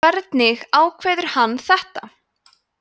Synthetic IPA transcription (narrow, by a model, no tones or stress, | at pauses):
ɛɾt̪nɪɣaːwkʰvɛːðʏɾ̥hanːθɛht̪a